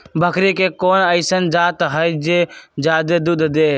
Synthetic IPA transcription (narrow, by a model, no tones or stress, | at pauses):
bʱəkɾiːkeːkoːnəɪsənd͡ʒaːt̪ɦəid͡ʒeːd͡ʒaːd̪ed̪uːd̪ʱd̪eː